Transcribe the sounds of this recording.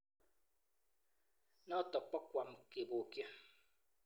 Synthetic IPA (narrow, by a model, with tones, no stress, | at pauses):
nɔ˦tɔ˨k͡pɔ˦kʷa˨m̩˨ke˨bo˨ke˦